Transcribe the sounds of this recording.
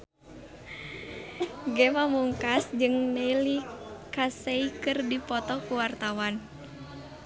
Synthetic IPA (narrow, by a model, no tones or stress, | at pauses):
ɡɛmamuŋkasd͡ʒɨŋneilikaseikɨrdipɔt̪ɔkuwart̪awan